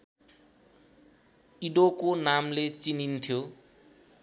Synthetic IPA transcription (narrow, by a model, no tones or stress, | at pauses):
iɖokonamlet͡sinint̪ʰjo